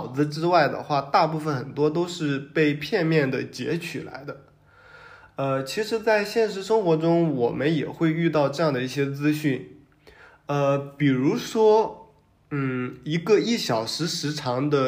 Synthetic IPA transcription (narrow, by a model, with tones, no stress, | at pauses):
ʊd͡zɹ̩˧ʈ͡ʂɻ̩˥wa˥˩ɪd̪ə̰˩xwa˥˧t̪a˥˧pu˥˩fə˨˩nxə˨˩nt̪wɔ˥t̪o˥ʊʂɻ̩˥˧pe˥˧ɪpʰjɛ˥˧nmjɛ˥˩nd̪ə˩t͡ɕjɛ̰˧˥t͡ɕʰy˨˩la̰˧˥ɪd̪ə˧ | ə˧t͡ɕʰi˧˥ʂɻ̩˧˥t͡sa˥˧ɪɕjɛ˥˩nʂ̬ɻ̩˧˥ʂɤ˥ŋxwɔ˧˥ʈ͡ʂʊ˥ŋwɔ˨˩mə˦njɛ̰˨˩xwe˥˧ɪy˥˧t̪ɑ˥˧ʊʈ͡ʂɤ˥˧jɑ˥˩ŋd̪ə˩i˥˩ɕjɛ˥t͡sɹ̩˥ɕy˥˩n | ə˧pi˨˩ɻu˧˥ʂwɔ˥ | n̩˥˩i˧˥ɡə˧i˥˩ɕjɑ˨˩ʊʂɻ̩˧˥ʂɻ̩˧˥ʈ͡ʂʰɑ˧˥ŋd̪ə˧